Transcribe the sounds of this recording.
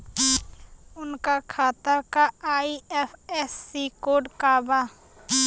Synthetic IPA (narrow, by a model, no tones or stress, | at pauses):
ʊnkakʰaːt̪atkaaːiɛpʰɛsːikoːɖkaːba